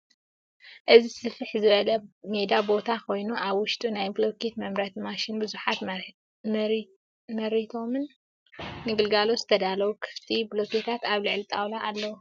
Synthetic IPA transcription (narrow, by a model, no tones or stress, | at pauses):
ʔɨzisɨfɨħzɨβɐlɐme̞d̪abo̞t̪ʰakʰo̞jnuʔaβwʊʃt̪ʼunajblokʰet̪mɐmɾɐt̪maʃinbɨzuħat̪ | mɐɾit̪ʰo̞mɨnː | ɨɡɨlɡalozɨt̪ʰɐd̪alɐwukʰɨ̥ft̪ʰibloket̪ʰat̪aβlɨʕlit̪ʼawlaːlːɐwu